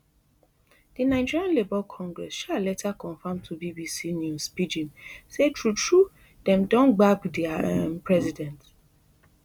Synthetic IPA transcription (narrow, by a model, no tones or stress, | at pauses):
d̥inaɪd͡ʒiɹiãnlebalkʰɔ̃ŋɡɹɛ̰sʃalɛtʰakʰɔ̃nfãmtʰubibisinjuspid͡ʒĩmsetʰɹutʰɹu | dɛ̃mdɔ̃nɡ͡bakdɛɛpʰɹɛzidɛ̃nt